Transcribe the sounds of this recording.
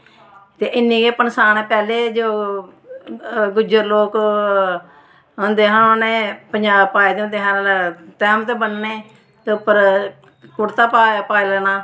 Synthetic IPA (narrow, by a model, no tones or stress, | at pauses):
t̪eːʔɪnːĩːkeːpənsaːneːpɛːleːd͡ʒoː | ɡʊd͡ʒəɾloːk | ɦʊnd̪eːɦãːnoːnẽːpəɲd͡ʒaːbpaːeːd̪eːʊ̃nd̪eːɦãːt̪ɛːmt̪eːbənːeː | t̪eʊpːəɾ | kʊɽt̪aːpaːpaːilɛːnaː